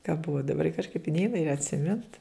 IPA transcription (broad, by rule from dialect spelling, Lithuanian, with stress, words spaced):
kɐ ˈbʊʋoː dɐˈbɐr kɐʃˈkɐɪp ɪ ˈnʲɛɪnɐ ɪr ɐtʲsʲɪˈmʲɪnt